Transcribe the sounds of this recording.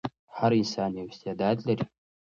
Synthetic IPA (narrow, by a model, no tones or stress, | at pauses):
ħaɾɪnsaːnjɛwst̪ʰijadaːd̪ɮɐrʲ